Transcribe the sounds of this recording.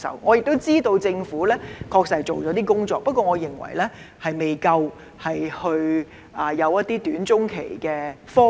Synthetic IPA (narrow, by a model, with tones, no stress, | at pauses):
sɐ̰˨˩wŋɔː˨˧jɪ˨k̚t̪o˥wt͡siː˥t̪o˧wt͡sɪ˧ŋfuː˨˥lɛː˥kʰɔː˧k̚sɐ˨˩˨jt͡ʃo˨wt͡ʃɔː˨˥t̪iː˥kʊ˥ŋt͡sɔː˧k̚pɐ˥t̚kɔː˧ŋɔː˨˧jɪ˨˩ŋwɐ̰˨˩jlɛː˥ | hɐ˨jme˨jkɐ˧w | hɐ˨jhɵ˧ɥ | aː˨jɐ˨˧wjɐ˥t̪̚iː˥t̪yː˨˥nt͡sʊ˥ŋkʰe˨˩jkɛː˧fɔː˥